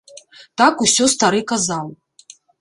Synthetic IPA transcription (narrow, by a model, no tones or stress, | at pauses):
t̪akusʲɔst̪aɾɨkazalˠ